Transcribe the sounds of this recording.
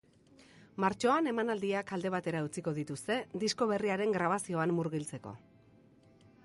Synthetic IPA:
maɾt͡ʃo̞ane̞manald̪iakald̪e̞β̞at̪e̞ɾaut͡siko̞ðit̪ust̪e̞d̪isko̞β̞e̞riaɾe̞ŋɡɾaβ̞asio̞amːuɾɣilt͡se̞ko̞̰

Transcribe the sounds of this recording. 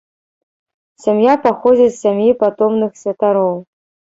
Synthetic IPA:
sʲamjapaxod͡zʲisːʲamʲjipat̪omnɨxsʲvʲɛt̪aɾow

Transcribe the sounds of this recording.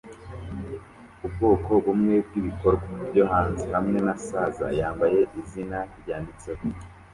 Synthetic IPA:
ubɡo̞ːko̞βumŋe̞b̚ɡiːβiko̞ɾɡwabɟohaːnzihamŋe̞nasaːza̰jaːmbaje̞ʔizinaiɾɟaːndit͡se̞ho

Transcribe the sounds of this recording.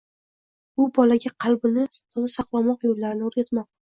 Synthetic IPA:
ʊbɒlaɡʲaqʰɑlˠbʊnɪt̪ʰɒzasɑqlˠamɒqjolːaɾɪnɪoɾɡʲat̪mɒq̚

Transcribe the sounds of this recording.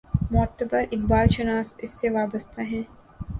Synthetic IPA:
mɔːt̪ːbɐɾɪk̚baːlʃɐnaːsɪsːeʋaːbəst̪ʰaɦɛ̃ː

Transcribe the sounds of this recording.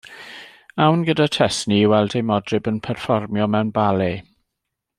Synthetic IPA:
awnɡədatʰɛsniwɛlˠdejmɔdrɪbənpʰɛrfɔrmjɔmɛwnbale

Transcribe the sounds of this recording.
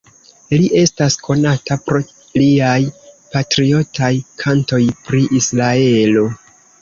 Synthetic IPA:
liʔe̞staskʰo̞natapɾo̞ | liajpatɾio̞tʰajkʰanto̞jpɾiʔisɾae̞lo̞

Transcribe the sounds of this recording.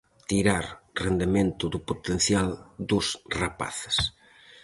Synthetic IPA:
t̪iɾaɾrend̪emẽnt̪ʊðʊpot̪en̟θjald̪ʊsrapa̰θɪ̥s

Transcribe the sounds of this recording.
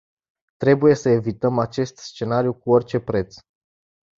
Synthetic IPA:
t̪ɾe̞buje̞səe̞vit̪əmat͡ʃe̞st̪st͡ʃe̞naɾijukuo̞rʲt͡ʃe̞pɾe̞t̪s

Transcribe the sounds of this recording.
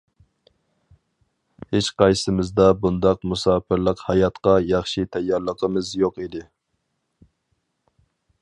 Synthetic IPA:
het͡ʃqɑjsɪmɪzd̪ɑbund̪ɑqmusɑːpʰɪɾlˠəqhɑjɑt̪qɑjɑχʃit̪ʰɛjːɑɾlˠəqʰəmɨzjoqid̪ɪ

